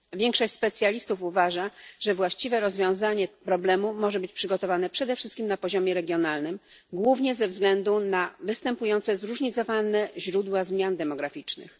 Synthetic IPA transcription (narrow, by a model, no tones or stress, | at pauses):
vʲjɛŋkʂɔɕt͡ɕʲspɛt̪sʲjalʲist̪ufuvaʐaʐɛvwaɕt͡ɕivɛɾɔzvʲjɔ̃w̃zaɲɛpɾɔblɛmumɔʐɛbɘt͡ɕpʂɘɡɔt̪ɔvanɛpʂɛd̪ɛfʂɘst̪̚kʲimnapɔʑɔmʲjɛɾɛɡʲjɔnalnɘm | ɡwuvɲɛzɛvzɡlɛnd̪unavɘst̪ɛmpujɔnt̪sɛzɾuʐɲit̪sɔvanɛʑɾud̪wazmʲjand̪ɛmɔɡɾafʲit͡ʂnɘ̰x